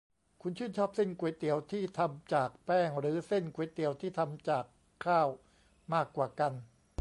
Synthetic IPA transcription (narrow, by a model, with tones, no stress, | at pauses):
kʰu˧nt͡ɕʰɯː˥˩nt͡ɕʰɔː˥˩p̚se˥˩nku˨˧˩jt̪i˨˩˦əwt̪ʰiː˥˩t̪ʰa˧mt͡ɕaː˨˩k̚pɛː˥˩ŋɾɯː˩˦se˥˩nku˧˦jt̪i˨˦wt̪ʰiː˥˩t̪ʰa˧mt͡ɕaː˨˩kʰːaː˥˩w | maː˥˩kːwaː˨˩ka˧n